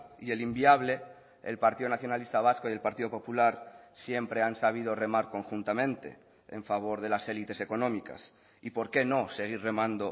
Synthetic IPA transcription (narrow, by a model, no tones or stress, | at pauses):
ie̞limbiaβle̞ | ḛlpaɾt̪iðonaθjo̞nalist̪aβ̞askoie̞lpaɾt̪iðo̞po̞pulaɾsje̞mpɾe̞ansaβ̞ið̞o̞re̞maɾko̞ŋxunt̪amẽnt̪e̞̰ | ḛɱfaβ̞o̞ɾð̞e̞lase̞lit̪e̞se̞ko̞nõ̞mika̰s | ipo̞ɾke̞no̞se̞ɣ̞iɾre̞mãnd̪o